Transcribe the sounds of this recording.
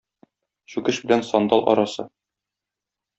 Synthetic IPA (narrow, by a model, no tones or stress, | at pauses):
ɕʉkɘʃbɘ̆lænsɒnd̪ɑlˠʔɒ̰ɾɑsɤ